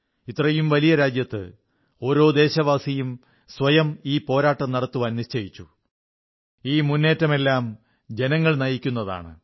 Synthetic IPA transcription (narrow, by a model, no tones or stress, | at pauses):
it̪ːrɐjumʋɐlijɐɾaːd͡ʑjɐt̪ːɨ̰ | o̞ːɾo̞ːd̪e̞ːɕɐʋaːsijum | sʋɐjɐmiːpo̞ːɾaːʈːɐmnɐɽɐt̪ːuʋɐnniɕt͡ɕɐjit͡ɕːu | iːmunːe̞ːtːɐme̞lːaːm | d͡ʑe̞nɐŋːɐɭnɐjikʲːun̪ːɐða̰ːɳɨ̰